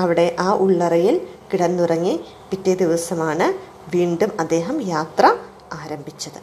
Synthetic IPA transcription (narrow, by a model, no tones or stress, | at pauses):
ɐʋiɽe̞ʔaːʔuɭːɐrɐjilkiɽɐnːurɐŋːi | pitːed̪iʋɐsɐmaːɳɨ | ʋiːɳɖumɐd̪ːe̞ːɦɐmjaːt̪rɐ | aːɾɐmbʱit͡ɕːɐðɨ